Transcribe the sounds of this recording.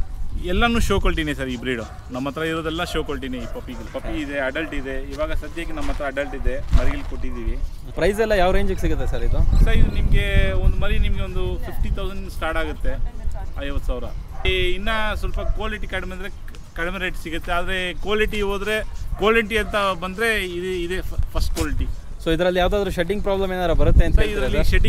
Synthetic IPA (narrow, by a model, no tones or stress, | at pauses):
ɛlːɐnuːʃoːkoɭʈ̬inesɐɾibɾiːɽo | nɐmːɐt̪ʰːɐɾɐiɾoːd̪ɛlːɐʃoːkoɭʈineipɐpiɡɐlpɐpːiːd̪e̞ɐɖɐlʈid̪e̞iːʋaːɡɐsɐt̪jaːɡenɐmːɐt̪ɐɾɐːɖɐlʈid̪e̞mɐɾiilːkoʈːid̪iːʋi | pɾɐjzɛlːɐjaːʋɾeːɲd͡ʒukːesiɡut̪ːesɐɾid̪usɐɾid̪unimɐɡe̞ond̪umɐɾinimɐɡe̞o̞nd̪upʰipʰʈit̪ʰɐwzɐɳɖsʈaːɾʈaːɡut̪ːe̞ɐɐjʋɐt̪ːsaːʋɾɐ̰inːɐsʋɐlpɐkʋaːliʈikɐɽmɛd̪ɾe | kɐɽmeɾejʈsiɡut̪ːeaːd̪ɾekaːliʈiɦoːd̪ɾe̞kaːliʈiɐnt̪ɐbɐnd̪ɾe̞id̪id̪epʰɐsʈ̚kaːliʈi | soːid̪ɐɾɐlːijaːʋd̪aːd̪ɐɾuʃeʈ̬iŋɡ̚pɾaːblɐmeːnaːd̪ɾɐbɐɾut̪ːeɐnt̪ɐid̪ɐlːʃeʈi